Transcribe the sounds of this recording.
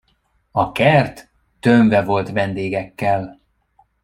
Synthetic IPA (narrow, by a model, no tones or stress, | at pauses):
ɒkɛrt̪ː | øɱvɛvo̞lt̪vɛnd̪eːɡɛkːɛl